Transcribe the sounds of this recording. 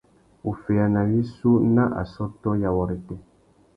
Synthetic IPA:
u˨fe˨a˨na˨wi˦su˦na˦ʔa̰˨sɔ˦tɔ˦ja˨wɔ˨ɾe˨tɛ˨

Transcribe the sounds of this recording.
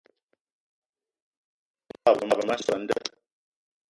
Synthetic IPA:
a˦˨bə˨ma˦˨bə˨ma˦sɔ˨n̩˦də̰˦˨

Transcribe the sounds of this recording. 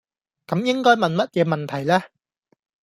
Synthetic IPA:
kɐ˨˥mjɪ˥ŋkɔː˥jmɐ˨nmɐ˥t̚jɛː˧mɐ˨nt̪ʰɐ˨˩jlɛː˥

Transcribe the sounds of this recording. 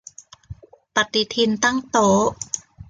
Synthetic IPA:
pa˨˩t̪i˨t̪ʰi˧nt̪a˥˩ŋt̪oː˨˦

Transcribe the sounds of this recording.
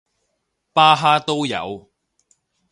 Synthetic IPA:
paː˥ɦaː˥t̪o˥wjɐ̰˨˧w

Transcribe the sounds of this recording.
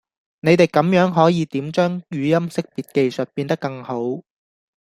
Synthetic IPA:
ne˨˧jt̪e˨˩jkɐ˨˥mjœː˨˥ŋɦɔː˨˥jiː˨˧t̪iː˨˥mt͡ʃœː˥ŋjyː˨˧jɐ˥msɪ˥k̚piː˨t̚ke˧jsɵ˨t̚piː˧nt̪ɐ˥kːɐ˧ŋho˨˥w

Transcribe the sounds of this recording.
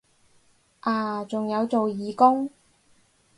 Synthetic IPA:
ʔaː˨˧t͡sʊ˨ŋjɐ˨˧wt͡so˨wjiː˨˧kʊ˥ŋ

